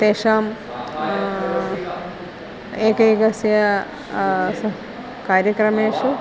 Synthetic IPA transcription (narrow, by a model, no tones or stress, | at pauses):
t̪eːʂaːm | eːkɐjɡɐsjɐ | kaːɾjɐkɾɐmeːʂu